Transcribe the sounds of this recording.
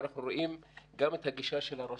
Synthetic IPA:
naχnuɾoʔimɡamet̪haɡiʃaʃelaɾa

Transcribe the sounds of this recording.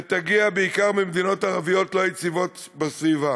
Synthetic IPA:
t̪aɡiabeikaʁmimd̪inotaʁavijotlojet͡sivot | basviva

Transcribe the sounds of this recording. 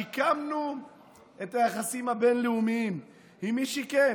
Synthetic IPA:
ikamnu | e̞tajaχasimhabe̞nleumiim | himiʃiken

